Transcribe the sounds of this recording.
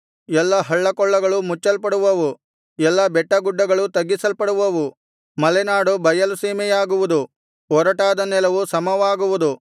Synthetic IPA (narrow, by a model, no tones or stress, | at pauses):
ɛlːɐɦɐɭːɐkɔɭːɐɡɐɭumut͡ʃːɐlpɐɽuʋɐʋu | ɛlːɐbɛʈːɐɡuɖːɐɡɐɭut̪ɐɡːisɐlpɐɽuʋɐʋu | mɐlɛnaːɽubʱɐjɐluseːmɛjaːɡuʋud̪u | ɔɾɐʈaːd̪ɐnɛlɐʋusɐmɐʋaːɡuʋud̪u